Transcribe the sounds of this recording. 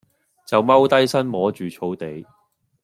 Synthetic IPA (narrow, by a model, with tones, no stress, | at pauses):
t͡sɐ˨wmɐ˥wt̪ɐ˥jsɐ˥nmɔː˨˥t͡ʃyː˨t͡ʃʰo˨˧˥wt̪e˨j